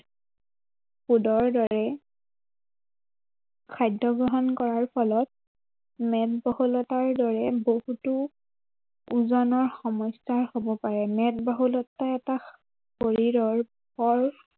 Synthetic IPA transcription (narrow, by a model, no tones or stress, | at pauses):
pudɔɹdɔɹɛ | kʰajdʱɔɡɹɔɦɔnkɔɹaɹpʰɔlɔt̚ | mɛtbɔhulɔtaɹdɔɹɛbohutu | uzɔnɔɹxɔmɔjstaɹhobɔpaɹɛmɛtbɔɦulɔtːaɛta | poɹiɹɔɹ | pɔɹ